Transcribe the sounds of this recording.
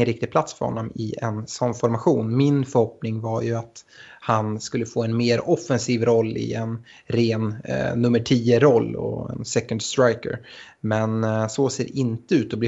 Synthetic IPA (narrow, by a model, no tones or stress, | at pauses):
ənɾɪk̚t̪ɪɡ̚pʰlat̪sfœ̰ɾhɔ̰nːɔmɪɛ̰nsɔnfɔɾmaɧuːnmɪnfœɾhɔpnɪŋvaɾjɵat̪ | hanskɵlːəfoːɛnmeːɾɔfɛnsiːvɾɔlːɪ̰ɛn | ɾeːnːɵmːəʈʰiːəɾɔlːɔ̰ɛ̰nsɛkənd̪st̪ɾajkə̰ɾ | mɛnsoseːɾʔɪnt̪əʉ̟ːt̪ɔblɪ